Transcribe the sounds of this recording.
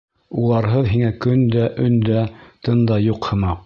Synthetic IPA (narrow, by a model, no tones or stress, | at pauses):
ulˠɑɾɦɤðɦiŋækɵnd̪æʔɵ̆nd̪æt̪ɤnd̪ɑjuqhɤ̆mɑ